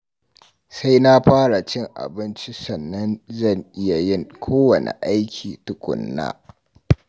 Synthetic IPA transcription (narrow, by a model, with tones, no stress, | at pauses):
sa˦jna˦ɸaː˦ɽa˨t͡ʃɪ˦˨ŋʔa̰˨bɪ˦nt͡ʃi˦sɐ˨nːɐ˦nzɐ˦˨ŋʔɪ˦ja˨jɪ˦˨ŋkʷʰoː˦wɐ˨nḛ˨ʔa˦jkʲʰiː˨tʊ˦kʷʼʊ̰˨nːa̰ː˦